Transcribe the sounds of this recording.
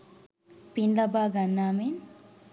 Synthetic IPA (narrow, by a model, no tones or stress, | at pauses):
pinlabaːɡanːaːmen